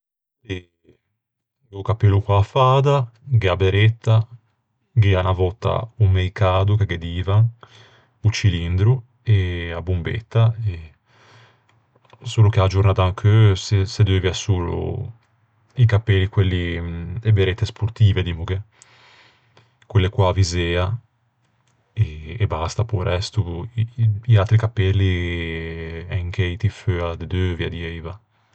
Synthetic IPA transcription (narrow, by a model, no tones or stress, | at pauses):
e | ɡukapɛlːukwaːfaːd̪aɡeabeɾɛt̪ːa | ɡeanavɔt̪ːa̰umejkaːd̪ukeɡɛd̪iːvaŋ | ut͡ʃilind̪ɾu | eabumbḛt̪ːae | suːlukead͡ʒurnaːt̪aŋkʰøsesed̪øvjɛsuːlṵ | ikapelːikwelːiebeɾet̪ːespuɾt̪iːved̪imuɡe | kwelːekwavizeːa | eːbast̪apuɾɛst̪u | ialt̪ɾikapːɛlːi | ɛŋk̟eit̪iføad̪ed̪øvjad̪iejva